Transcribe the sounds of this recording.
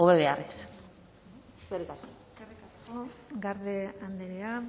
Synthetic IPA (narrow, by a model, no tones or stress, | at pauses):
oβeβe̞ares | skerikasko | erikaskoɡaɾðeand̪eɾea